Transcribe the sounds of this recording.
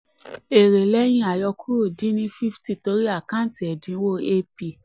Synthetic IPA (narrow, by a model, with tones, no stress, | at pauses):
e˨ɾe˨lɛ˦j̃ĩ˧˦a˨jɔ˧ku˦ɾo˦˨di˨˦nĩ˦fi˦fti˦˨to˧˦ɾi˦a˦˨kã˦˨˦ti˨ɛ˨dĩ˧˦wo˦e˦pi˧˨